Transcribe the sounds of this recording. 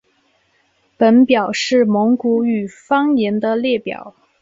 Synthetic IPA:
pə˧˥npjɑ˨˩ʊʂɻ̩˥˩mo˧˥ŋku˧˥y˨˩fɑ˥ŋi˧˥nd̪ə˧ljɛ˥˩pjɑ̰˨˩˦ʊ

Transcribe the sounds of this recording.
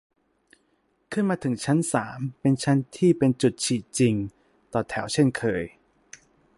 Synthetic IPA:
kʰɯ˥˩˨nmaː˧t̪ʰɯ˩˦ŋt͡ɕʰa˦˥nsaː˩˦mpe˧nt͡ɕʰa˦˥nt̪ʰiː˥˩pe˧nt͡ɕu˨˩t̪̚t͡ɕʰiː˨˩t̪̚t͡ɕi˧ŋ | t̪ɔː˨˩t̪ʰɛ˩˦wt͡ɕʰe˥˩nkʰɤː˧j

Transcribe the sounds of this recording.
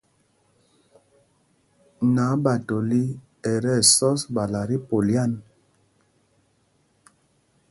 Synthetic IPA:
na˨˦ba˨to˨li˦ | ɛ˨ɾɛ˦˨sɔ˦sba˨la˨ɾi˦po˨lja˦˨n

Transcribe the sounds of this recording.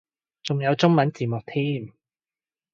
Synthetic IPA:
t͡sʊ˨ŋjɐ˨˧wt͡sʊ˥ŋmɐ˨˥nt͡siː˨˩mʊ˨k̚t̪ʰiː˥m

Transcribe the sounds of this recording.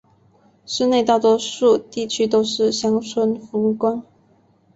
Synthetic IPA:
ʂɻ̩˥˧ne˥˧ɪt̪ɑ˥˩ʊt̪wɔ˥ʂu˥˧t̪i˥˩t͡ɕʰy˥t̪o˥ʊʂɻ̩˥˩ɕjɑ˥ŋt͡sʰwə˥nfu˧˥ŋkwɑ˥ŋ

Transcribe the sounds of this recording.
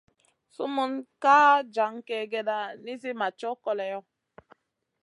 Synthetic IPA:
su˦mu˦nka˦d͡ʒa˨˦ŋkɛ˨ɡɛ˦da˦ni˦s̬i˦ma˨t͡ʃɔ˦kɔ˦lɛ˨jɔ˦

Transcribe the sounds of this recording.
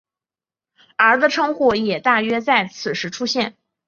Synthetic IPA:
ə˞˧˥də˧ʈ͡ʂʰɤ˥ŋxu˥˩jɛ˨˩t̪a˥˩ɥɛ˥t͡sa˥˩ɪt͡sʰɹ̩˨˩ʂɻ̩˧˥ʈ͡ʂʰu˥ɕjɛ˥˩n

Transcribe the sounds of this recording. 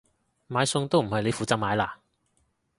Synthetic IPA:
maː˨˧jsʊ˧ŋt̪o˥wm̩˨˩hɐ˨jle˨˧jfuː˨˧t͡sɐ˥k̚maː˨˧jlaː˧

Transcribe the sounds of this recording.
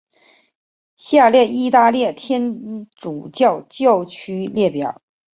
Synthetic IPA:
ɕja˥˩ljɛ˥˩i˥˧t̪a˥˧ljɛ˥˩t̪ʰjɛ˥nʈ͡ʂu˨˩t͡ɕjɑ˥˧ʊt͡ɕjɑ˥˧ʊt͡ɕʰy˥ljɛ˥˩pjɑ˨˩˦

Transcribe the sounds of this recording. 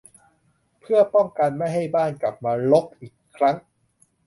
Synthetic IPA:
pʰɯ˥˩ɐpɔ˥˩ŋka˧nma˥˩jɦa˥˩jbaː˥˩nkla˨˩p̚maː˧lo˦˥k̚ʔiː˨˩kʰːɾa˦˥ŋ

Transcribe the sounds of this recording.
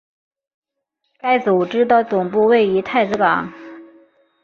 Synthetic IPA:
ka˥ɪt͡su˨˩ʈ͡ʂɻ̩˥d̪ə˥˩t͡sʊ˨˩ŋpu˥˧we˥˩ɪy˧˥t̪ʰa˥˩ɪt͡sɹ̩˧˥kɑ̰˨˦ŋ

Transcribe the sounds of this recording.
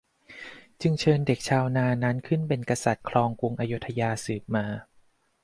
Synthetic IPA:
t͡ɕɯ˧ŋt͡ɕʰɤː˧nde˨˩k̚t͡ɕʰaː˧wnaː˧na˦˥nkʰɯ˥˩npe˧nka˧sa˨˩t̪̚kʰlɔː˧ŋku˧ŋʔaː˧ju˦˥t̪ʰːa˧jaː˧sɯː˨˩p̚maː˧

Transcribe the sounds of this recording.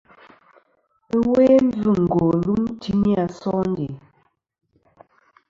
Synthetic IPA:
we˦n˦d͡zʉ˦˨ŋ̩˨ɡo˨lu˦mti˦ni˦a˨sɔ˦n̩˦dḛ˨

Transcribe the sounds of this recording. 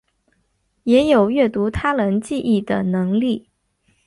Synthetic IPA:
jɛ˧˥jo˨˩ʊɥɛ˥˩t̪u˧˥t̪ʰa˥lə˧˥nt͡ɕi˥˧ʔi˥˩d̪ə˩nɤ˧˥ŋli˥˩

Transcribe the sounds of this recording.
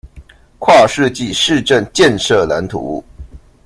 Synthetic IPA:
kʰwa˥˧ʂɻ̩˥˧t͡ɕi˥˩˨ʂɻ̩˥˧ʈ͡ʂə˥˩nt͡ɕjɛ˥˧nʂɤ˥˩la̰˧˥nt̪ʰṵ˧˦˥

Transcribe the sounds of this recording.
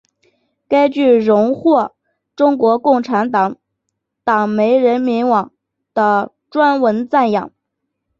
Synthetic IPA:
ka˥ɪt͡ɕy˥˩ɻʊ˧˥ŋxwɔ˥˩ | ʈ͡ʂʊ˥ŋkwɔ˧˥kʊ˥˩ŋʈ͡ʂʰa˧˥nt̪ɑ˨˩˦ŋ | t̪ɑ˨˩ŋme˧˥ɪɻə˧˥nmi˧˥nwɑ˨˩ŋ | d̪̥ə˧ | ʈ͡ʂwa˥nwə˧˥nt͡sa˥˩njɑ̰˨˩˦ŋ

